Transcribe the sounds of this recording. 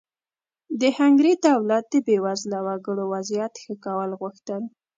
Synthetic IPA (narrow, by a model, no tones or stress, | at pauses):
d̪əhaŋɡɾed̪awlat̪̚d̪əbewazlawaɡəɽowazjat̪xəkawəlɣʊxt̪əl